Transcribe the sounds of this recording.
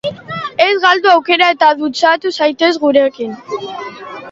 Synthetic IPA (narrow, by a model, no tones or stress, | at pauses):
e̞zɣald̪uawke̞ɾae̞t̪aðut͡sat̪usajt̪e̞zɣuɾe̞kin